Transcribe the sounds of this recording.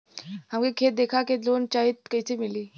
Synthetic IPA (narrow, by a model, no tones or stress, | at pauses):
ɦãmɡekʰet̪̚d̪ekʰaked͡zont͡ɕaɦit̪̚kəjt͡semiliː